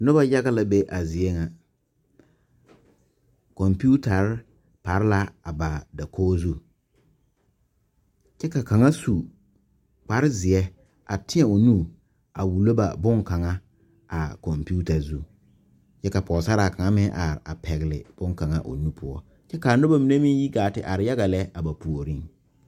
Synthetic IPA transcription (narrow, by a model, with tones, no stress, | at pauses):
nʊ˦ba˦ja˦ɣa˦la˨be˦ʔa˨zɪ˨ɛ˦ŋa˨ | kɔ˨mpu˦ta˨ɾɪ˦ | pa˨ɾɪ˦la˦a˨ba˨da˨kʰoː˦zu˦ | t͡ʃɛ˦ka˨ka˨ŋa˦su˨ | k͡pa˨ɾɪ˦zɪ˨ɛ˦ | ʔa̰˨tɪ̃˦ɛ˨o˨nu˦˨ | a˨wu˨lo˦ba̰˨bʊ˦ŋka˨ŋa˦ | a˨kɔ˨mpu˦ta˨zu˦ | t͡ʃɛ˦ka˨pɔː˨sa˦ɾa˨ka˨ŋa˦mɪ˦ʔa˨ɾɪ˨ʔa̰˨pʰɛ˨ɣɪ˨lɪ̰˨b̥ʊ˦ŋka˨ŋa˦ʔo̰˨nu˦pʰʊ˦ɔ̰˦ | t͡ʃɛ˦ka˨nʊ˦ba˨mi˨ne˦mi˦ŋ˦ji˦ɡaː˨tɪ˨ʔa˨ɾɪ˨ja˦ɣa˨lɛ˦a˨ba˨pu˨o˨ɾi˦ŋ